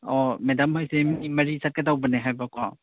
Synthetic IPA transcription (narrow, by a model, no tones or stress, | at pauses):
ɔmedamhojseminimɐɾisat̚kedawbɐneɦajbakʰwa